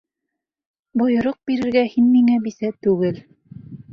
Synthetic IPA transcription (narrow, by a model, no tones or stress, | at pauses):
bujŏɾoq̚biɾɘ̆ɾɡæhinmiŋæbisæt̪ʉɡɘl